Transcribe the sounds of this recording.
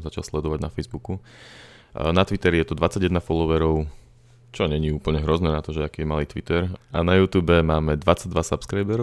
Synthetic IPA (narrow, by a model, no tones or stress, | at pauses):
zat͡ʃa̰lslɛd̪ɔʋaɟnafɛjzbuku | nat̪ʋit̪ɛɾɛjɛt̪ɔd̪ʋat͡saɟjɛd̪nafɔlɔʋɛɾɔʊ | t͡ʃɔɲɛɲiːuːpl̩ɲɛɦɾɔznɛːnat̪ɔʒɛakiːjɛmaliːt̪ʋit̪ɛɾanajuːt̪uːbɛmaːmɛd̪ʋat͡saɟ̚d̪ʋasapskɾajbɛɾɔ